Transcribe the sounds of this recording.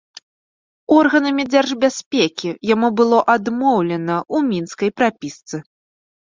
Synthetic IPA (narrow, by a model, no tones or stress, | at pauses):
ɔrɣɐnɐmʲid͡zʲɛrʐbʲasʲpʲekʲijamubɨlˠɔʔad̪mɔwlʲɛnɐʔumʲinskɐjpɾapʲist̪sɨ